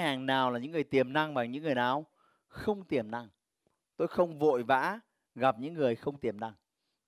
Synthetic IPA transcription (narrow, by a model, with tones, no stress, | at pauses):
haː˨˩ŋnaː˨˩wlaː˨˩ɲɨ̰˧˥ŋːɨ˨˩əjt̪i˨˩əmna˧ŋvaː˨˩ɲɨ̰˧˥ŋːɨ˨˩əjnaː˨˩w | xə˧wŋ͡mt̪i˨˩əmna˧ŋ | t̪o˧jxə˧wŋ͡mvo̰˧˨jva̰ː˧˥ | ɣa˨˩p̚ɲɨ̰˧˥ŋːɨ˨˩əjxə˧wŋ͡mt̪i˨˩əmna˧ŋ